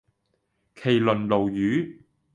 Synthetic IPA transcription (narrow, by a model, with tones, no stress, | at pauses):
kʰe˨˩jlɵ˨˩nlo˨˩wjyː˨˥